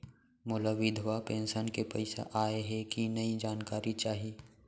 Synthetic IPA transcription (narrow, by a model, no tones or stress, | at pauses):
mʊlaʋɪd̪ʱʋapẽːnʃənkepɐɪsa̰ʔaːeɦɛkinɐid͡ʒaːnkaːɾit͡ʃaːɦieː